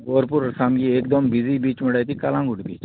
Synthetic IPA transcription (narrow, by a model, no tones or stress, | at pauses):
ɡoːɾpuɾsaːmɡieːkd̪ɔmbizibiːt͡ʃmɪɽajt̪ʰikɐlãːŋɡuʈbḭːt͡ʃ